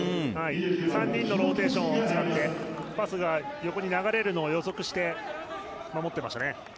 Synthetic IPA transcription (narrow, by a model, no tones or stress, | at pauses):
haisãɲ̟ːĩnːo̞ɾo̞ːt̪e̞ːɕõot͡sɨkat̪ːe̞basɨɡajo̞ko̞ɲ̟inaɡaɾe̞ɾɯ̟no̞ːjo̞zo̞kɯ̟ɕi̥t̪e̞ | mamo̞t̪ːe̞maɕt̪ane